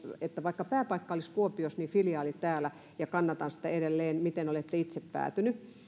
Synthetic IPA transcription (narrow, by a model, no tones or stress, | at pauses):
et̪ːæʋɑikːɑpæːpɑikːɑoliskuopiosniːfiljɑːlit̪æːlæ | jɑkɑnːɑt̪ɑnsi̥t̪æedelːeːnmit̪enolet̪ːeit̪seppæ̰ːt̪yny